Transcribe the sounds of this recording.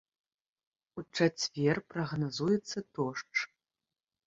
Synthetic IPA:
ut͡ʂat͡sʲvʲɛrpɾɐɣnazujɛt̪sːɐt̪ɔʂt͡ʂ

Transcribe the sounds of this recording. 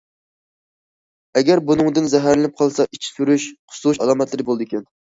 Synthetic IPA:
ɛɡʲæɾbunɨŋd̪ɨnzɛɦæɾlɪnɪp̚qʰɑlˠsɑʔit͡ʃʰi̥syɾyʃqʰʊ̥st̪uuʃɑlˠɑmɛt̪lˠɨɾɪbolˠɨd̪ɨkʲʰɛn

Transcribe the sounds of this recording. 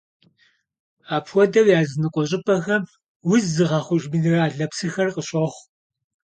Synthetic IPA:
aːpʰwʷɔdɐwjaːzɨnɨqʷʼɔɕʼɪpʰʼɐxɐ | wʊzːɨʁɑχʷʊʒbɨɮɨraːɮɐpsɨxɐrqʼəɕʼɐχʷ

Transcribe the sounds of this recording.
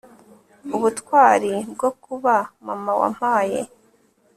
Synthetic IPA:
uβutkwaːɾib̚ɡokuβamamawa̰m̥aːjḛ

